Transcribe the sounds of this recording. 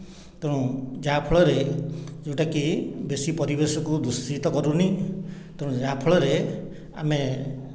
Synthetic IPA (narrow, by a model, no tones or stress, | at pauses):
t̪ẽũd͡ʒapʰɔɭɔɾed͡ʒẽʈakibesipɔɾibesɔkud̪ust̪it̪ɔkɔɾuni | t̪eɽ̃ũd͡ʒapʰɔɭɔɾe | a̰me